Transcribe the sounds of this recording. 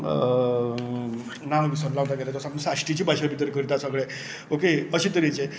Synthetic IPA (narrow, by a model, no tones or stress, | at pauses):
nañbisənlawt̪aɡɛlat̪əsamnũsaɕʈit͡ɕiːbʱajɕabit̪əɾkəɾit̪asəɡɭe | okeəɕit̪əɾit͡se